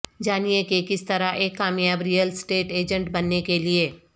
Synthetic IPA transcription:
d͡ʒaːnijekekɪst̪ɐɾaʔeːkːaːmjaːbɾijəlsʈeːʈeːd͡ʒə̃ɳʈbɐnːekelieː

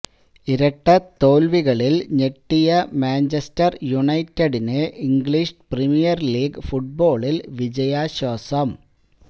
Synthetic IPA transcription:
iɾɐʈːɐt̪o̞ːlʋiɣɐɭilɲeʈːijɐmaːnt͡ɕɐstɐrjuɳɐjtːɐɽineiŋɡɭiʂprimijɐrliːɡfuʈ̚bo̞ːɭilʋid͡ʑɐjaːɕoːsɐm

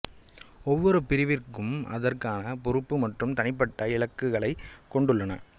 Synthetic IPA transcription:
ɔʋːɔɾɯpɪɾɪʋɪrkɯmɐ̰ðɐrkaːnɐpɔɾɯpːɯmɐʈrɯmt̪ɐnɪpːɐʈːɐɪɭɐkːɯɣɐɭɐɪkːɔɳɖɯɭːɐnɐ̰

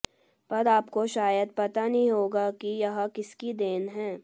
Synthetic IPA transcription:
pɐɾaːpkoʃaːjəd̪̚pɐt̪anɐɦĩɦoːɡakijɐɦakɪskid̪eːnɦɛ̃ː

